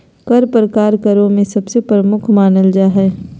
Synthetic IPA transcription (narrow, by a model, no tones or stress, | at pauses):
kɐɾpɾəkaːɾkɐɾõmẽsɐbsepɾəmʊkʰmaːnəld͡ʒaːɦɛː